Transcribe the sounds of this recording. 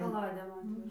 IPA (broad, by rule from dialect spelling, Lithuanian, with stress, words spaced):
kɐˈlˠɑːdʲeːm ˈɑːtʲʋʲɛʒɐ